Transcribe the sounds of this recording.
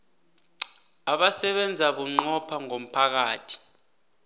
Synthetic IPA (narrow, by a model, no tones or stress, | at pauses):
aɓasɛɓɛnd͡zʱaɓuŋ͡ǃɔpʰaŋom̩pʰak̬aːtʰi̥